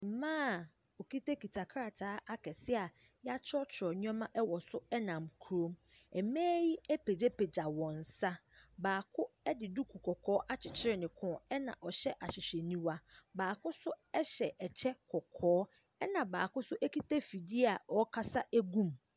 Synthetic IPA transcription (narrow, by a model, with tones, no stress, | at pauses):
m̩˨mãː˦˨ | o˨kʰi˦tʰa˦ki˨tʰa˨kʰɾa˨tʰaː˨˦ʔa˦kʰɛ˨sɪ˦a˨ | ja˦t͡ɕʰɪ˦ɔ˦t͡ɕʰɾɔ˨ɲ˦ɛ̃˦mã˦ʔɛ˦wɔ˨sʊ˦ɛ˦nã˨mkʰu˨ɾo˦m | ɛ˨mɛ̃ː˦ji˦ɛ˦pʰe˨d͡ʑɛ˦pʰe˨d͡ʑa˨wɔ̃˨n̩˨sa˦ | baː˨kʰʊ˦ɛ˦dɪ˨du˦kʰu˨kʰɔ˨kʰɔː˦ʔa˦t͡ɕʰɪ˨t͡ɕʰɪ˦ɾɪ˦˨nɪ̃˨kʰʊ̃˦ɔ˨ɛ˦nã̰˨ʔɔ˨ɕɛ˦ʔa˨ɕɪ˨ɕᶣɛ˨nĩ˦wa˦baː˨kʊ˦sʊ˦ɛ˦ɕɛ˨ʔɛ˨t͡ɕʰɛ˦kʰɔ˨kʰɔː˨˦ | ɛ˦nã˨baː˨kʊ˦sʊ˦ʔɛ˦ki˦tʰa˦fi˨di˦a˨ɔ˦kʰa˦sa˦ʔæ˦ɡũ˦m